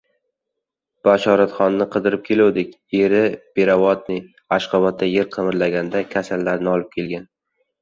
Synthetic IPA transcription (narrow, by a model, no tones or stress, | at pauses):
b̥aʃɒɾat̪χɒnːɪqʰɨd̪ɪɾɪp̚kʲʰe̞lawd̪ɪkʲjeɾɪb̥eɾavɒt̪̚nɪ | aʃqɑbat̪̚ʰːajeɾqʰɨmɪɾlaɡʲand̪akʲʰasalːaɾnɪɒlˠɪp̚kʲʰe̞lɡʲan